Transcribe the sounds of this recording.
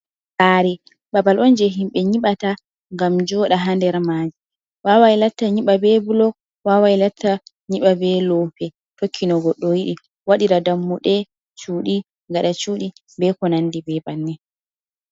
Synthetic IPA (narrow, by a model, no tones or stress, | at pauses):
baɾi | ɓabalɔnd͡ʒɛɦimɓɛɲiɓata | ŋɡamd͡ʒɔɗaɦandɛɾmad͡ʒi | wawajlatːaɲiɓabɛbulɔɡ̚ | wawajlatʰːa | ɲiɓabɛlɔpɛ | tokʰːinɔɡɔɗːɔjiɗi | waɗiɾadamːuɗɛ | t͡ʃuːɗi | ŋɡaɗat͡ʃuːɗi | bɛkɔnandibɛbanːɛ